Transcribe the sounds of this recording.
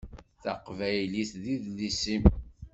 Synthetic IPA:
θəqvæjliθðiðlisim

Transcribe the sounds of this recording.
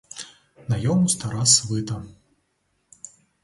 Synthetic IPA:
najɔmust̪aɾasvɨt̪ɐ

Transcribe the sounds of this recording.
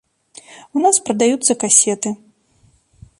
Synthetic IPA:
unaspɾɐd̪ajut̪sːɐkasʲɛt̪ɨ

